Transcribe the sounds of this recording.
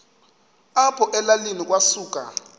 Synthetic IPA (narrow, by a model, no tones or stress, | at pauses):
apʰɔʔɛlalinik̬wasuːk̬ʼa̰